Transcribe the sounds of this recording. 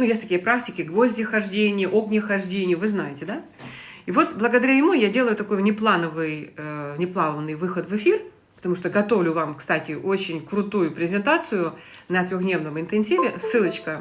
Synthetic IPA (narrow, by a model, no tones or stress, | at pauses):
nujesʲtʲt̪ɐkʲijəpɾak̚tʲɪkʲɪɡvo̞zʲdʲɪxɐʐdʲenʲɪjəʔo̞knʲəxɐʐdʲenʲɪjʊvɨznajɪtʲɪd̪a | ivo̞t̪blˠəɡəd̪ɐɾʲajɪmujadʲe̞lˠəjʊt̪ɐko̞jnʲɪplˠanəvɨjənʲɪplˠavənːɨjvɨxət̪vɨfʲir | pə̥t̪ɐmuʂt̪oɡɐt̪o̞vlʲʊvamkst̪atʲɪʔo̞t͡ɕɪnʲkɾʊt̪ujʊpɾʲɪzʲɪnt̪at̪sɨjʊnət̪ʲɾʲoɣd̪ʲnʲe̞vnəvəɪnt̪ɨnsʲivʲɪsɨlˠət͡ɕkə